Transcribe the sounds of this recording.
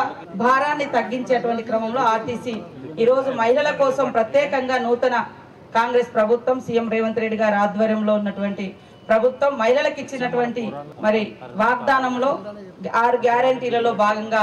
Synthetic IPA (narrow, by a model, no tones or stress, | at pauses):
bʱaːɾaːnːit̪ɐɡːiɲt͡ʃeːɐʈuʋɐɳʈikɾɐmɐmlo̞ːaːt̪iːsi | iːɾo̞ːd͡ʒumɐɦilɐlɐkɔːsɐmpɾɐt̪jɛːkɐŋɡaːnuːt̪ɐnɐ | kaːŋɡɾe̞ːspɾɐbʱut̪wɐmsiːjemɾeːʋɐnt̪uɾe̞ɖiɡaːɾiaːd̪ʋɐɾjɐmlo̞ːunːɐʈuʋɐɳʈi | pɾɐbʱut̪wʋɐmːɐɦilɐlɐkit͡ʃːinɐʈuʋɐɳʈimɐɾiʋaːɡ̚d̪aːnɐmlo̞ːaːɾuɡjaːɾɐɳʈiːlɐlo̞ːbʱaːɡɐŋɡaː